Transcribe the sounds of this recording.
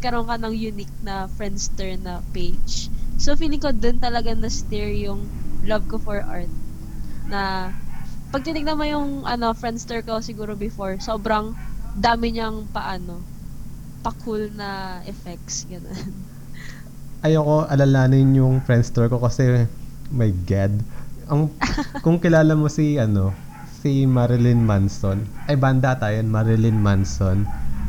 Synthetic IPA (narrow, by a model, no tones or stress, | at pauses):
kɐɾoŋkɐnɐŋjʊnik̚nɐfɹɛnd̪st̪ɛɹnɐpejd͡ʒsofiːlɪŋkod̪d̪ont̪ɐlɐɡanɐst̪ɛɹjʊŋlɐb̚kofɔɹʔa̰ɹt̪̚ | nɐ | pɐɡ̚t̪ɪnɪɡ̚nɐmanjʊŋʔɐno̞fɾɛnd̪st̪oɹkosɪɡuːɾobɪfoɹsoːbɾɐŋd̪aːmɪɲɐŋpɐʔaːno̞ | pɐkʰulnɐʔɛfɛk̚sɡɐnon | ʔɐjoko̞ʔɐlalaːnɪnjʊŋfɹɛnd̪st̪oɹko̞kɐsɛmɐjɡad̪̚ʔɐŋkʊŋkɪlaːlɐmo̞siʔɐno̞ | simaɾɪlɪnmansonʔɐjbɐnd̪at̪aːjonmɐɾɪlɪnmanson